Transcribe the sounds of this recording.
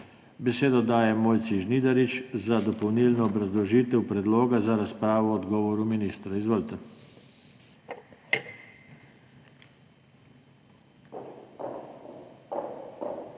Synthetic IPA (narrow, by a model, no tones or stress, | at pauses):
bɛseːd̪ɔd̪aːjɛmoːjt̪siʒniːd̪aɾit͡ʃzad̪ɔpɔwnilnɔːbɾazlɔʒiːt̪ɛwpɾɛd̪loːɡazaɾaspɾaːʋɔːd̪ɡɔːʋɔɾuminist̪ɾaizʋəlt̪ɛ